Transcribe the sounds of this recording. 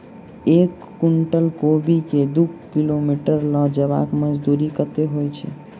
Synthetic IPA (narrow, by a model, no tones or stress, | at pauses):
ekːuɳʈəlkobiked̪ukkilomiʈəɾlɔd͡ʒəβa̰kməd͡ʒd̪uɾikət̪eɦojt͡ʃʰɛ̰